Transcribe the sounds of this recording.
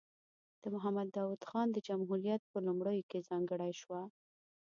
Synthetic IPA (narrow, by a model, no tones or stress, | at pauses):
d̪̥əmʊɦamad̪ːɑwud̪xɑnd̪əd͡ʒamɦuɾijat̪̚pəlumɽəjokezɑŋɡəɽajʃwa